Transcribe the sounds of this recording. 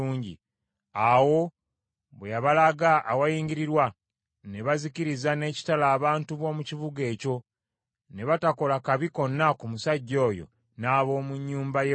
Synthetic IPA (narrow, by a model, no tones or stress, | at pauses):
uːɲɟḭ | awo̞ | βwejaβalaɡaʔːwajiːɲɟiɾiɾwa | ne̞βaziciɾizane̞ːci̥talaːβaːntuβo̞ːmucivuɡe̞ːco̞ | ne̞βatako̞lakaβiko̞nːakumusaɟːo̞ːjo̞̰ | naːβo̞ːmuɲːuːmbaj